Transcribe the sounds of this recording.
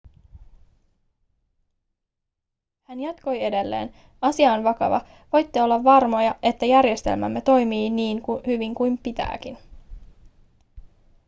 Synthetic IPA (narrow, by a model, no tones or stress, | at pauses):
hænjɑt̪ko̞je̞de̞lːe̞̰ːn | ɑsiɑːnʋɑkɑ̰ʋɑ̰ | ʋo̞jt̪ːeo̞lːɑʋːɑrmo̞jɑʔe̞t̪ːæjærje̞st̪e̞̰lmæ̰mːe̞t̪o̞jmiːniːŋkuhyʋiŋkujmpit̪æ̰ːkin